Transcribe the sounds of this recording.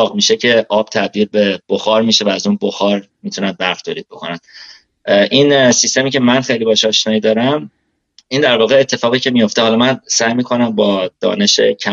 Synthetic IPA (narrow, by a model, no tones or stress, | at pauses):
ɣmiːʃe̞cʰe̞ʔɒːb̥̚t̪ʰæb̚d̪iːɾbe̞b̥oxɒːɾmiːʃe̞væːzuːnboxɒːɾ | miːt̪ʰunæd̪̚bæɾft̪ʰoːliːd̪̚bo̞kʰo̞næd̪̥ | ʔinsist̪e̞miːce̞mænxe̞jliːbɒːʃɒːʃnɒːid̪ɒːɾæm | ind̪æɾvɒːɣeːt̪ʰːe̞fɒːɣiːcʰe̞mijo̞ft̪ehɒːlɒmænsæjmiːkʰo̞næmbɒːd̪̥ɒ̰ːne̞ʃe̞̰cʰæ